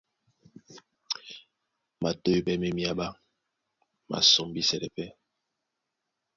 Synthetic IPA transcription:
ma˨to˦i˦bɛ˦mɛ˦mi˦a˦ba˦ | ma̰˨so˨mbi˦sɛ˨ɾɛ˨pɛ˦

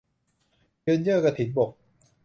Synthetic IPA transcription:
jɯː˧njɯ˥˩ka˧t̪ʰi˩˦nbo˨˩k̚

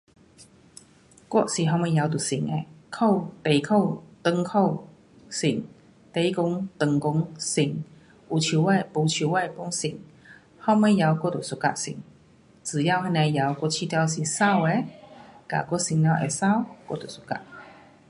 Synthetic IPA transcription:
kwɔ˥˧˨si˨˩ɦɔ˧me˧˦ja˨˧˦wt̪̬u˨˩si˨˩ŋe˨˩kʰo˥˧˨wt̪e˨˩jkʰo˥˧˨wt̪ə˧ŋkʰo˥˧˨w | si˨˩ŋ | t̪e˧˦i˦kʊ˧˦ŋt̪ɨ˧ŋkʊ˧˦ŋsi˧˩ŋ | u˨˩t͡ɕʰu˨˧˩wa˥˧˨pu˧t͡ɕʰu˨˧˩wa˥˧˨pu˧˥˦ŋsi˨˩ŋ | hɔ˥˧me˧˦ja˧wkʷɔ˥˨t̪u˨˩su˨˧˩ka̰˧˨ʔsḭ˨˩˦ŋ | t͡sɨ˨˩ja˥˧wha˧na˧ja˨˧˦wkʷɔ˥˨t͡ɕʰi˧t̪ja˧ws̬i˨˩sa˥˧˨we˨˦ka̰˨kʷɔ˥˨si˧˨ŋn˧a˧wʔḛ˨˩sa˥˧˨wkwɔ̰˥˧˨t̪u˨˩su̥˧˨ka̰˧˩

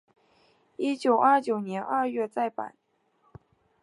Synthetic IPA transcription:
i˥t͡ɕjo˨˩ʊʔa˞˥˩t͡ɕjo˨˩ʊnjɛ˧˥nʔa˥˧ɥɛ˥˧t͡sa˥˩ɪpa̰˨˩˦n

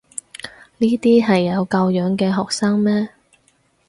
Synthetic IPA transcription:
niː˥t̪iː˥ɦɐ˨jːɐ˨˧wkɐ˧wjœː˨˥ŋkɛː˧ɦɔː˨k̚saː˥ŋmɛː˥

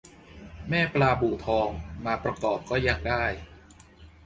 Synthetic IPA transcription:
mɛː˥˩plaː˧buː˨˩t̪ʰɔː˧ŋmaː˧pɾa˧kɔː˨˩p̚kɔː˥˩ja˥˩ŋ̚daː˥˩j

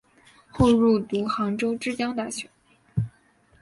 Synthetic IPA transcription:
xo˥˧ʊɻu˥˩t̪u˧˥xɑ˧˥ŋʈ͡ʂo˥ʊʈ͡ʂɻ̩˥˧t͡ɕjɑ˥ŋt̪a˥˩ɕɥɛ˧˥˦n

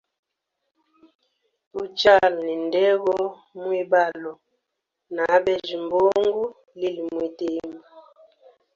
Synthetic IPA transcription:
u˦t͡ʃa˦lni˨ndɛ˦ɣɔ˦ | mwi˦ba˦˨lɔ˨ | na˨˦bɛ˦d͡ʒi˨mbo˦ŋɡu˦ | li˦li˨mwi˨te˦ma˨

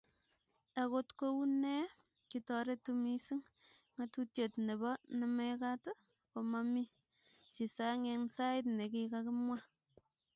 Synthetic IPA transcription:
e˨ko˦tko˦u˦ne˦ | ki˨tɔ˨ɾe˦tu˦mi˦si˦ŋ | ŋa˨tu˦tje˨tne˨bɔ˦ne˨meka˦tɨ˦ | po˧mami˦ | t͡ʃi˨sa˦ŋe˧ŋsa˦ɪ˦tne˨kikaki˦mwa˦

